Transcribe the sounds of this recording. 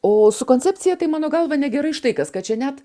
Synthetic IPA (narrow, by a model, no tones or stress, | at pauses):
oːsʊkoːnʲt͡sʲɛpʲt͡sʲɪjɛt̪ɐɪmɑːnoːɡɐlˠʋɐnʲɛɡʲɛɾɐɪʃt̪ɐɪkɐskɐtt͡ʃʲɛnʲæt̪